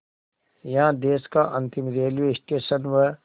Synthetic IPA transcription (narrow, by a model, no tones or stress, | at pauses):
jɐɦãd̪eːskaʔɐ̃nt̪ɪmɾeːlijoɪsʈeːsənʋə